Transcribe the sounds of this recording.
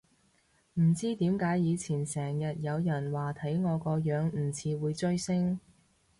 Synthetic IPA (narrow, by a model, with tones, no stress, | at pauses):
m̩˨˩t͡siː˥t̪iː˨˥mkaː˨˥jjiː˨˧t͡sʰiː˨˩nsɛː˨˩ŋjɐ˨t̚jɐ˨˧wjɐ˨˩nwaː˨t̪ʰɐ˨˥jŋɔː˨˧kɔː˧jœː˨˧ŋm̩˨˩t͡sʰiː˨˧wuː˨˧jt͡ʃɵ˥ɥsɪ˥ŋ